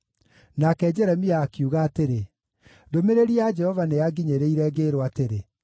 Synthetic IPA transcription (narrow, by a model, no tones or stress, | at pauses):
nakɛd͡ʒɛɾɛmiaːkiuɣaːteɾe | domeɾeɾiad͡ʒɛhɔvanejaɡiɲeɾeiɾɛɡeɾwateɾe